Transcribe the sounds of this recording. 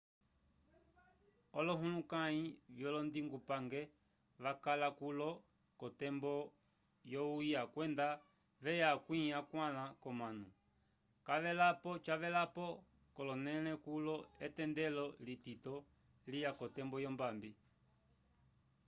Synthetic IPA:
ɔlɔɦulukaivjɔlɔndiŋɡupaŋɡɛ | ʋakalakulɔ | kɔtɛmbɔ | jɔujakwɛnda | ʋɛjakwiakwalakɔmanu | kaʋɛlapɔt͡ʃaʋɛlapɔ | kɔlɔnɛlɛkulɔɛtɛndɛlɔlititɔ | lijakɔtɛmbɔjɔmbambi

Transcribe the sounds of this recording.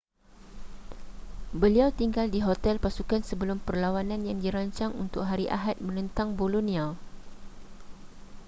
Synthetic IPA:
bəliawt̪iŋɡaldiɦot̪ɛlpasukansəbəlʊmpərlawanãnjaŋdiɾaɲt͡ʃaŋunt̪ʊk̚ɦaɾiʔa̰ɦat̪̚mə̃nə̃nt̪aŋbolunĩa

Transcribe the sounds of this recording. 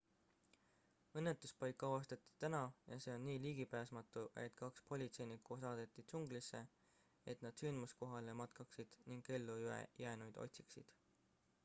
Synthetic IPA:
ɤ̞nːet̪ːˑuspɑjkːˑɑwɑst̪ɑt̪ːˑi̥t̪ænɑjɑse̞ːo̞nːiːliːɡ̥ipæːsmɑt̪ːˑuʔe̞̰t̪ˑkɑkspo̞lʲit̪se̞jnikːusɑːd̪̥e̞t̪ːˑit̪suŋɡ̥lisːe̞ | e̞t̪nɑd̪̥synd̪musko̞ɦɑlemɑt̪kɑksid̪̥niŋɡ̥e̞lːuyḛjæːnujd̪o̞̰t̪ʲsi̥ksḭd̪̥

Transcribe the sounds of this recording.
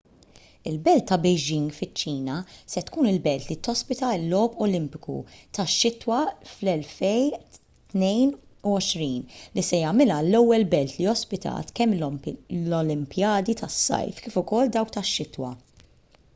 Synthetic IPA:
ɪlbɛlt̪ːɐbɛjd͡ʒɪŋɡfɪt͡ʃːiːnɐsɛt̪kuːnɪlbɛlt̪lit̪ɔspɪt̪ɐɪlːɔːpɔlɪmpɪ̥kṵt̪ɐʃːɪt̪wɐflɛlfɛj | t̪nɛjnuɔʃɾiːnlisɛjɐmɪlɐlːɛwːɛlbɛlt̪liɔspɪt̪ɐ̰ːt̪kɛmːlɔlɪmpjɐːd̪it̪ɐsːɐ̰jfkɪːfʊkɔlːd̪ɐwk̚t̪ɐʃːɪt̪wɐ̰

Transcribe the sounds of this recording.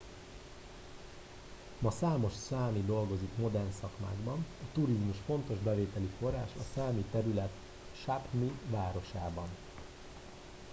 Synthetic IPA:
mɒsaːmo̞ʃsaːmid̪o̞lɡo̞zikmo̞d̪ɛrnsɒkma̰ːɡbɒnɒt̪uɾizmuʃfo̞nt̪o̞ʒbɛveːt̪ɛlifo̞rːaːʃɒsaːmit̪ɛɾylɛt̪ | ʃapmivaːɾo̞ʃaːbɒn

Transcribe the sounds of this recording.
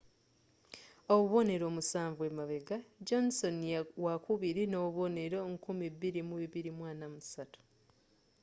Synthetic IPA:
oβuβo̞ne̞ɾo̞ːmusaːɱvwe̞maβe̞ɡad͡ʒo̞nso̞njawakuβiɾinoβo̞ne̞ɾo̞ŋkumiβːiɾimuβiβiɾimwaːnamusatu̥

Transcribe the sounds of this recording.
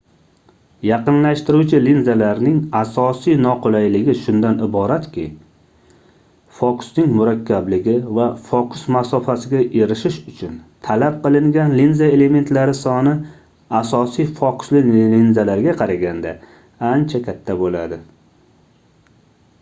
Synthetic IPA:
jɑqɨnlaʃt̪ɪɾut͡ʃʰɪlinzalaɾnɪŋasɒsijnɒqolajlɪɡʲɪʃʊnd̪anɪbɒɾat̪kʲʰɪ | fɒkʊ̥snɪŋmʊɾakʲʰːablɪɡʲɪvafɒkʰʊsmasɒfasɪɡʲaʔe̞ɾɪʃɪʃʊt͡ʃʰʊnt̪ʰalap̚qɨlˠɪŋɡʲanlinzae̞le̞me̞nt̪laɾɪsɒnɪ | asɒsijfɒkʊ̥slɪlinzalaɾɡʲaqʰɑɾaɡʲand̪a | ant͡ʃʰakʲʰat̪ʰːabola̰d̪ɪ

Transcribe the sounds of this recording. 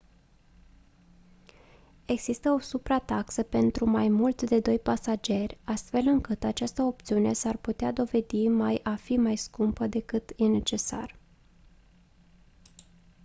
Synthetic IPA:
e̞ɡz̥ist̪əo̞supɾat̪aksəpe̞nt̪ɾumajmult̪sd̪e̞d̪o̞jpasad͡ʒe̞rʲast̪fe̞lɨŋkɨt̪at͡ʃast̪əo̞pt̪siune̞sarput̪ead̪o̞ve̞d̪imajʔafimajskumpəd̪e̞kɨt̪jene̞t͡ʃe̞sa̰r

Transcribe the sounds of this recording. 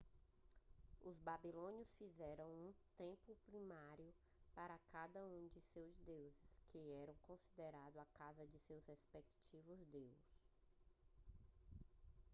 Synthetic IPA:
ʊzbabilõnjʊsfizɛɾɐ̃w̃ũt̪ẽpʊpɾĩmaɾjʊ | paɾɐkad̪ɐũd͡ʒɪsewzd̪ewzɪskʰɪɛɾɐ̃w̃kõsid̪eɾad̪ʊakazɐd͡ʒɪsewzhespekt͡ʃivʊzd̪ews

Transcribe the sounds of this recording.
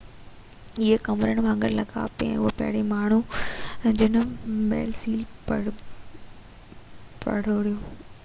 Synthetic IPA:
ɪekɐmɾəɽ̃bʱãŋɡəɽ̃lɐɡa̰ːpiɛ̰̃ʊɦopɐ̰ɦɪɽemaːɳ̤u | d͡ʑɪnəmɛ̰ːlsiːlpɐɽ | pɐ̰ɽ̤oːɽijõː

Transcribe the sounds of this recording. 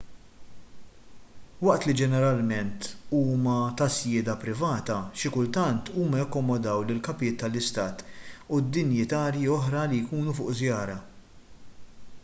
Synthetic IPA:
wɐʔt̪lid͡ʒɛnɛɾɐlmɛnt̪uːmɐt̪ɐsjɪːd̪ɐpɾɪvɐːt̪ɐʃɪkʊlt̪ɐnt̪uːmɐjɐkːɔmɔd̪ɐwlɪlkɐpɪjɪːt̪ːɐlːɪst̪ɐːt̪ud̪ːɪnjɪt̪ɐːɾjiɔħɾɐlijkuːnufʊːʔzjɐːɾɐ

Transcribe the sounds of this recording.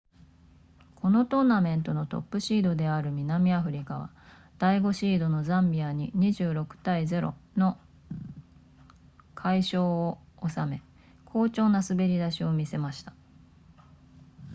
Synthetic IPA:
kʰo̞no̞t̪o̞nːamẽ̞nt̪o̞no̞t̪o̞̰pːɯ̟ɕiːd̪o̞d̪e̞aɾɯ̟mʲinamʲiaɸɯ̟ɾʲikaβ̞a̰ | d̪̥aiɡo̞ɕiːd̪o̞no̞zãmbʲiaɲ̟iɲ̟iʑɨːɾo̞kɯ̟̥t̪aizeɾo̞̰no̞ | kʰaiɕo̞ː | osame̞ | kʰo̞ːt͡ɕo̞ːnasɨbe̞ɾʲid̪aɕio̞mʲise̞maɕi̥t̪ḁ

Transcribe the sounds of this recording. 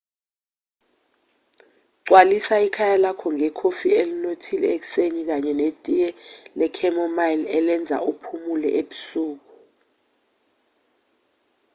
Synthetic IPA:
ǀwalisaikʰajalakʰɔŋɛkʰofielinotʰilɛek̬u̥seɲik̬aɲɛnetʼijɛlɛkʰɛmɔmalɛlɛnd͡zʱa̰upʰumulɛ̰ʔeɓusuːk̬u

